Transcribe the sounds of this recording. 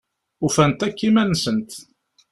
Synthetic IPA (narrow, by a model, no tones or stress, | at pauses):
ufænt̪ækːimænsənt̪